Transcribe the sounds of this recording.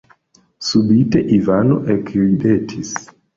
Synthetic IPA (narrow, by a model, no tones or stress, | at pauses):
subiteʔivano̰ʔekɾidetʰis